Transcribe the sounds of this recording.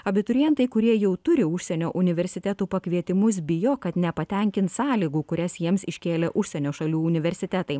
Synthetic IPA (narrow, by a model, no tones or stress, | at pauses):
ɐbʲɪt̪ʊɾʲijɛnt̪ɐɪkʊɾʲiɛjɛʊt̪ʊɾʲɪʊʃʲsʲɛnʲoːʔʊnʲɪʋʲɛɾʲsʲɪt̪ʲæt̪uːpɐkʲʋʲiɛt̪ʲɪmʊs̬bʲɪjoːkɐt̪nʲɛpɐt̪ʲɛŋʲkʲɪnt̪sɑːlʲiːɡuːkʊɾʲɛsjiɛmsɪʃʲkʲeːlʲɛʔʊʃʲsʲɛnʲoːʃɐlʲuːʊnʲɪʋʲɛɾʲsʲɪt̪ʲæt̪ɐɪ